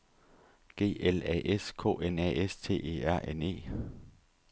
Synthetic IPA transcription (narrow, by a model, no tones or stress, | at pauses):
ɡ̥e̝̰ːelɛ̰ːʔeskʰo̝̰ːʔenɛ̰ːest͡sʰe̝̰ːe̝̰ːæɐ̰ʔene̝̰ː